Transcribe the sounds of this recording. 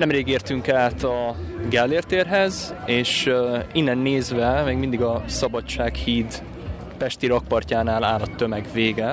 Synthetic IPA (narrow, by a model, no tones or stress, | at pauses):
nɛmreːɡeːrt̪yŋkaːt̪ɒɡɛlːeːrt̪eːrɦɛzeːʃinːɛnːeːzʋɛmɛːɡmind̪iɡɒsɒbɒt͡ʃt͡ʃːaːkhiːd̪ | pɛʃt̪iɾɒk̚pɒrcaːnaːlaːlɒt̪ːømɛɡveːɡɛ